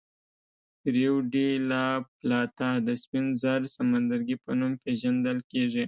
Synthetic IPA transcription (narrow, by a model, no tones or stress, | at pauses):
ɾewɖilaplɑt̪ad̪əspinzaɾsamand̪aɾɡipənumpeʒand̪əlkeʐi